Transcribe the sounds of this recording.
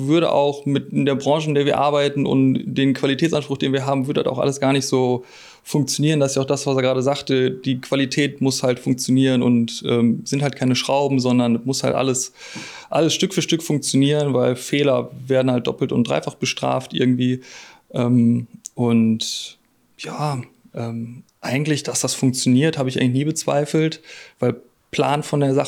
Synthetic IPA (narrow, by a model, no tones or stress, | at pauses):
v̥ʏɐɾə̰ʔa̰ʊxmɪtɪndeːɐbʁɑ̃ŋʒəɪndeːɐviːɐʔaɐbaɪtn̩ʔʊ̰ntd̥eːmkʰv̥alitʰɛːt͡sʔanʃpʁ̥ʊxd̥eːnviːɐɦaːbm̩vʏɐdədasaʊxʔa̰ləsɡ̥aːɐnɪçtz̥oː | fʊŋk̚t͡sjoniːʁəndasɪsaʊxd̥asv̥aseɐɡʁaːdəzaːktəd̥iːkv̥alitʰɛːtmʊshaltfʊŋk̚t͡sjoniːʁənʊ̰ntʔɛːmz̥ɪnthaltkʰaɪnəʃʁ̥aʊbm̩zɔndɐnmʊsha̰ltʔa̰ləs | ʔaləsʃtʏkfyːɐʃtʏkfʊŋk̚t͡sjoniːʁənvaɪlfɛːlɐveːɐdn̩halt̚d̥ɔ̰pl̩tʊ̰ntd̥ʁa̰ɪfaχb̥əʃtʁ̥a̰ːftʔɪ̰ɐɡŋ̩tv̥iːʔɛːmʔʊnt | jaː | ʔɛːmʔaɪɡŋ̩tlɪçd̥asd̥asfʊŋk̚t͡sjoniːɐthaːbəɪçaɪŋn̩lɪçniːbət͡sv̥a̰ɪfl̩tvaɪl | pʰl̥a̰ːnfɔndeːɐza